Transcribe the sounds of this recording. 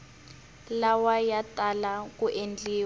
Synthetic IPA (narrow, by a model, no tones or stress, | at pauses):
lawajatʼalak̬ʼuʔend͡ɮiː